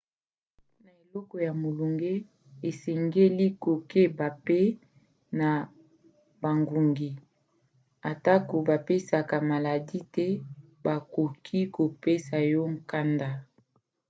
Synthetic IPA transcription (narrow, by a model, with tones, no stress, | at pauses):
o˦na˨e˨lɔ˦kɔ˨ja˨mo˨lu˨ŋɡe˦ | e˨sɛ˨ŋɡe˦li˦ko˨ke˦ba˨pe˦ | na˨ | ba˨ŋɡu˨ŋɡi˨ | a˨ta˦ko˨ba˨pe˦sa˨ka˨ma˨la˨di˦tɛ˦ | ba˨ko˨kʰi˦ko˨pe˦sa˨jɔ˦ŋ˦ka˦nda˦